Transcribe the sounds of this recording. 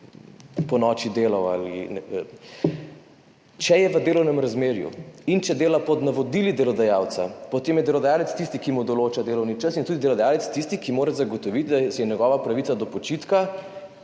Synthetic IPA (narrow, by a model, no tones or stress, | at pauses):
pɔnɔːt͡ʃid̪eːlawa̰lḭn | t͡ʃɛjɛʋəd̪eːlɔwnɛmɾazmeːɾjṵint͡ʃɛd̪eːlapɔd̪naʋɔd̪ilid̪ɛlɔd̪ajaːwt̪sapɔt̪eːmjɛd̪ɛlɔd̪ajaːlɛt̪st̪ist̪ikimud̪ɔloːt͡ʃad̪eːlɔwnit͡ʃəsint̪ud̪id̪ɛlɔd̪ajaːlɛt̪st̪ist̪ikimoːɾɛzaɡot̪ɔʋit̪d̪asɛjɛnɛɡɔːʋapɾɐʋit̪sad̪ɔpɔt͡ʃit̪ka